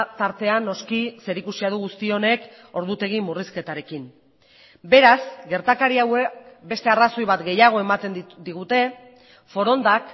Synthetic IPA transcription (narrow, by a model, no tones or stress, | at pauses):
t̪aɾt̪e̞anːo̞skise̞ɾikusiað̞uɣust̪io̞ne̞k | o̞ɾðut̪e̞ɣ̞imuriske̞t̪aɾe̞kin | be̞ɾasɡe̞ɾt̪akaɾiawekbe̞st̪e̞araso̞jβat̪ɡe̞jaɣ̞o̞e̞mat̪e̞nd̪iɣ̞ut̪e̞ | fo̞ɾo̞nd̪ak